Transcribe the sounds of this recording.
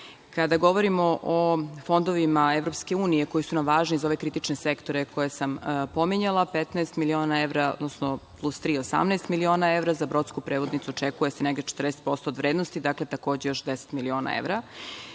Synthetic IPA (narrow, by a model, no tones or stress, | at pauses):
kad̪aɡo̞ʋoɾimo̞ʔofo̞nd̪o̞ʋimaeʋɾo̞pskeuːnije̞ko̞jisunamʋaːʒniizao̞ʋekɾit̪it͡ʃnesekt̪o̞ɾeko̞jesampo̞miɲalˠapet̪naest̪milio̞ːnaeʋɾao̰d̪nosnoplˠust̪ɾiːosa̰mnɛest̪milio̞ːnaeʋɾazabɾo̞t̪skupɾeʋod̪nit̪suot͡ʂekujeseneɡd̪et͡ʃe̥t̪rd̪ese̥t̪̚po̞st̪oːd̪ʋɾeːd̪nost̪id̪aklet̪ako̞ːd͡ʑejo̞ʃd̪ese̥t̪milio̞ːna̰ḛʋɾa